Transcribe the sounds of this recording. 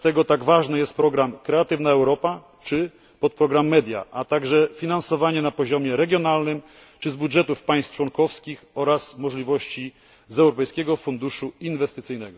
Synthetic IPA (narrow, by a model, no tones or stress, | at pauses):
t̪ɛɡɔt̪aɡvaʐnɛjɛst̪̚pɾɔɡɾamkɾɛat̪ɘvnaɛwɾɔpa | t͡ʂɘ | pɔt̪̚pɾɔɡɾamːɛd̪ʲja̰ʔat̪aɡʐɛfʲinansɔvaɲɛnapɔʑɔmʲjɛɾɛɡʲjɔn̪alnɘm | t͡ʂɘzbudʐɛt̪ufpaj̃st̪t͡ʂwɔŋkɔfskʲixɔɾasmɔʐlʲivɔɕt͡ɕi | zɛwɾɔpɛjskʲɛɡɔfund̪uʂuinvɛst̪ɘt̪sɘjnɛɡɔ